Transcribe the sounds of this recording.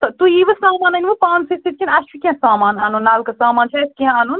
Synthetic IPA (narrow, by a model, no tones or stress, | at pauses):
t̪ɐt̪uiʋɐsaːmaːnɐnʋɨpãːnsisit̪̚kʰʲinɐʃpʰʲikʲiãsaːmaːnɐnunːaːlkɐsaːmaːnt͡ʃʰɐskiãɐnun